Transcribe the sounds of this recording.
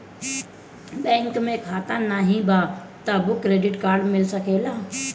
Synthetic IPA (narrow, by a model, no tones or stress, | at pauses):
bɛ̃ːŋkmẽkʰaːt̪anaɦĩba | t̪abʊkɾeːɖɪʈkaːɾɖmɪlsəkeːlaː